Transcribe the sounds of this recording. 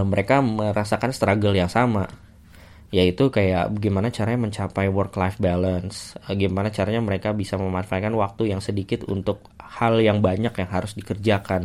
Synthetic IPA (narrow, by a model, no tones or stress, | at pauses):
məɾekaməɾasakanst̪ɾaɡəljaŋsama | jait̪ukaja̰ʔbaɡimanat͡ʃaɾaɲaməɲt͡ʃapajwərklafbalənsɡimanat͡ʃaɾaɲaməɾekabisaməmanfakanwak̚t̪ujaŋsədikɪt̪ṵnt̪ʊk̚haljaŋbaɲakjaŋɦaɾʊsdikərd͡ʒakan